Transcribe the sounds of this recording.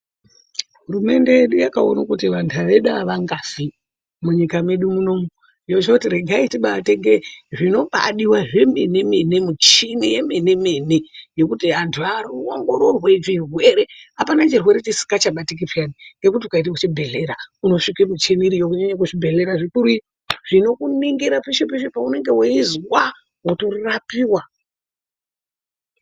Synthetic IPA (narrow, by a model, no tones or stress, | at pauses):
ɦuɾume̞ndeje̞ɗujakao̰nakutiʋantʰuaʋe̞ɗaʋaŋɡafi | muɲikamwe̞ɗumuno̞mu | ijo̞t͡ʃekutiɾeɡʱaitiɓaːteŋɡeʐino̞ɓa̰ɗiwaʐe̞menemenemut͡ʃinije̞menemeneje̞kutiantʰuaruoŋɡo̞ɾo̞rwed͡ʒirwe̞ɾe̞apanat͡ʃirwe̞ɾet͡ʃesi̥kat͡ʃaɓatik̬ipjaniŋɡe̞kutiukaitekut͡ʃibʱe̞ɮe̞ɾauno̞ʂikemut͡ʃeniɾijokuɲaɲakuʐibʱe̞ɮe̞ɾaʐikuɾui | ʐ̥ino̞kuniŋɡiɾapiʃipiʃepaune̞ŋɡe̞weizwa | woto̞rapiwa